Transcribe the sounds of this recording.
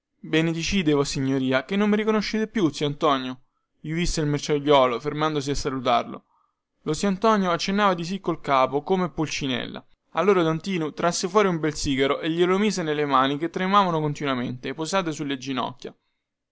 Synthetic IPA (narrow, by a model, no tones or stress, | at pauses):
bɛned̪it͡ʃiːd̪evɔsːiɲːoɾiːakenːomːeɾikonoʃːeːt̪epjut̪siant̪ɔnjo | iovisːeilmert͡ʃaʎːɔːlofermand̪os̬iasːalut̪a̰rlo̰ | lot̪siant̪ɔnjoat͡ʃːenːaːvad̪is̬ikːolkaːpokomepːolt͡ʃinɛ̰lːa̰ | alːoːɾad̪ont̪iːnut̪ɾasːefwɔːɾiumbɛlsiːɡaɾoʔeʎːelomiːzenelemaːnik̟et̪ːɾemaːvanokont̪inwament̪epːosaːt̪̬esulːed͡ʒːinɔ̰kʲːja̰